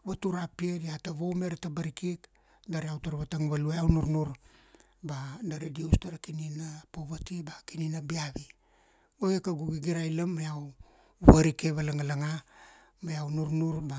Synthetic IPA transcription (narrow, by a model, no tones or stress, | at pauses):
βatuɾapiediataβo̞wmeɾatabaɾikik | daɾeawtaɾβataŋβalueawnuɾnuɾ | badaɾediustaɾakininapoβatibakininabiaβi | ɡojekaɡuɡiɡiɾajlamːajaw | βaɾike̞βalaŋalaŋa | majawnuɾnuɾba